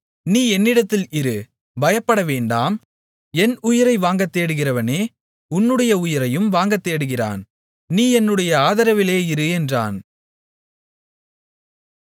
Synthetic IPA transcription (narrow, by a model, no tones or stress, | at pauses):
niːɛnːɪɽɐt̪ːɪlɪɾɯ | bɐjɐpːɐɽɐʋeːɳɖaːm | ɛnʊjɪɾɐɪʋaːŋɡɐt̪ːeːɽɯɣɪrɐʋɐneː | ʊnːɯɽɐjɐʊjɪɾɐjɯmʋaːŋɡɐt̪ːeːɽɯɣɪra̰ːn | niːɛnːɯɽɐjɐaːðɐɾɐʋɪleːɪɾɯɛndra̰ːn